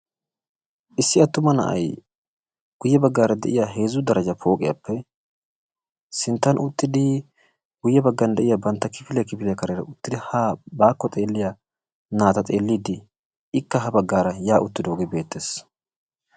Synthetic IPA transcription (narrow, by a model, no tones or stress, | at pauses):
ʔɪsːɪɐt̪ːʊmɐnɐ̰ʔɐ̰j | ɡ̥ʊjːɛbɐɡːaːɾɐd̪ɛ̰ʔɪjaːɦe̞ːzʊd̪ɐɾɐd͡ʒɐpʰo̞ːkʼɪja̰pːɛ | sɪnt̪ːɐnʔʊt̪ːɪd̪ɪ | ɡ̥ʊjːɛbɐɡːɐnd̪ɛʔɪjabɐnt̪ːɐkɪfɪlɛkɪfɪlɛkɐɾeɾɐ̰ʊt̪ːɪd̪ɪhaːbaːkːɔt̪ʼe̞ːlːɪja | naːt̪ɐt̪ʼe̞ːlːiːd̪ɪ | ɪkːɐɦɐbɐɡːaːɾɐjaːʔʊt̪ːɪd̪oːɡebe̞ːt̪ːeːs